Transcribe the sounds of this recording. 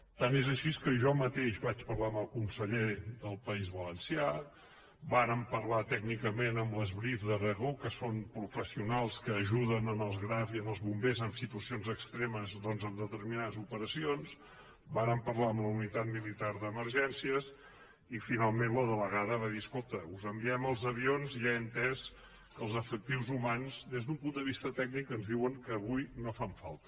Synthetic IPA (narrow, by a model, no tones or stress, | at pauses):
t̪anezəʃiskəʒɔmət̪eʃβat͡ʃpəɾlaəməlˠkunsəʎeðəlˠpəizβələnsia | baɾəmpəɾlat̪ɛɡnikəmenəmləzβɾifðərəɣokəsonpɾufəsiunalˠskəːʒuðənənəlˠzɣɾaviənəlˠzβumbezəmsit̪uəsionzəkst̪ɾeməzdɔnzəmd̪ət̪əɾminaðəzupəɾəsions | banəmpərlaəmbləunit̪at̪̚milit̪aɾðəməɾʒɛnsiəs | ifinalˠmẽnləðələɣaðəβaðiəskolˠt̪əuzəmbiɛməlˠzəβionziaənt̪ɛs | kəlˠzəfək̚t̪iwzumanzd̪ezðumpund̪əβ̞ist̪ət̪ɛɡ̚nikənzðiwəŋkəːβujnofaɱfa̰lˠt̪ə